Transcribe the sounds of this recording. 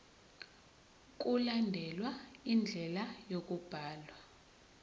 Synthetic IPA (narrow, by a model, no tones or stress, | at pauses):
k̬ʼulandʱɛlwaind͡ɮʱɛlajok̬ʼub̥ʱaːlwa